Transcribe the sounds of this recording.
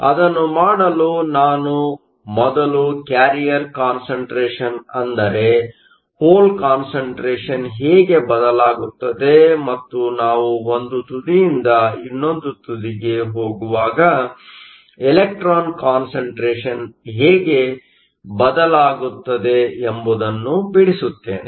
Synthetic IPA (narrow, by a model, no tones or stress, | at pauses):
ɐ̰d̪ɐnːumaːɽɐluːnaːnu | mɔd̪ɐlukjaːɾijɐɾkaːnsɐɳʈɾeːʂɐnɐnd̪ɐɾe | hoːlkaːnsɐɳʈɾeːʂɐnɦɛːɡe̞bɐd̪ɐlaːɡut̪ːɐd̪e̞mɐt̪ːunaːʋuond̪ut̪ud̪ijind̪ɐinːond̪ut̪ud̪iɡe̞ɦoːɡuʋaːɡɐ | ɛlek̚ʈɾaːnkaːnsɐɳʈɾeːʂɐnɦɛːɡe̞ | bɐd̪ɐlaːɡut̪ːɐd̪e̞ːmbud̪ɐnːubiɽisut̪ːeːnḛ